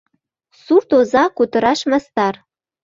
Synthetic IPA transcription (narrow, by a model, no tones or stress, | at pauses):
surt̪ozɑkut̪ə̆ɾɑʃmɑst̪ɑr